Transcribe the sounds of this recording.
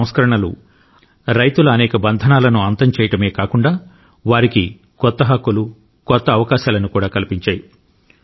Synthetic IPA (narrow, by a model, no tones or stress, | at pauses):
w̃skɐɾɐɳɐlṵ | ɾɐjt̪ulɐːnɛːkɐbɐnd̪ʱɐnaːlɐnuɐnt̪ɐmt͡ʃɛːjɐʈɐme̞ːkaːkuɳɖaː | ʋaːɾiki | kɔt̪ːɐɦɐkːulu | kɔt̪ːɐːʋɐkaːʃaːlɐnukuːɽaːkɐlipiɲt͡ʃaːji